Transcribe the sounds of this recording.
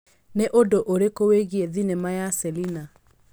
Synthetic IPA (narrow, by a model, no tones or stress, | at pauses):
neʔodoʔoɾekoweɣieðinemajasɛlina